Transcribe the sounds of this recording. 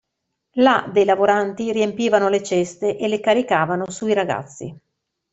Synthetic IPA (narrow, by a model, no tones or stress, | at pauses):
lad̪ejlavoɾant̪iriempiːvanolet͡ʃest̪eʔelekaɾikaːvanosuiɾaɡa̰t̪sːḭ